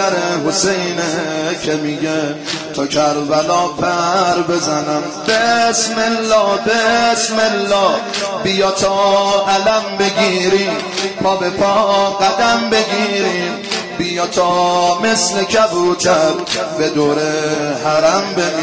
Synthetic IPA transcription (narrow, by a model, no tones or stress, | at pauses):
æɾeɦosejnekʰemiɡe | t̪ʰɒkʰæɾvælɒːpʰæɾbe̞zænæmbesmelːɒːbesmelːɒː | bijɒt̪ʰɒʔælæmbe̞ɡiːɾim | pʰɒːbepʰɔɡæd̪æmbe̞ɡiːɾim | bijɒːt̪ʰɔmeslekʰæbɾut̪ʰæɾbed̪oːɾehæɾæmbemi